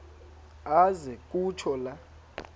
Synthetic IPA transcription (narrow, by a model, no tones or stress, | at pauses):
azɛk̬ʼut͡ʃʰɔla